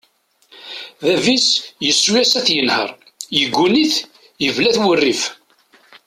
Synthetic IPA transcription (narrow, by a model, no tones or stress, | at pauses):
ðævisjəsːwjæsæθjənhə̰ɾˤ | jəɡʷːuniθ | jəvlæθwərːif